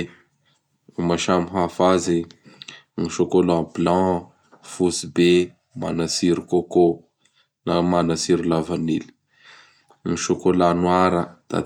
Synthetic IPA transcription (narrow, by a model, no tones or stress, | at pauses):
umaʃamiɦafazi | niʃokolãplɑ̃ | fusibe | ma̰nasiɾikoko | namanasiɾilavanili̥ | niʃokolanwaɾət̪a̰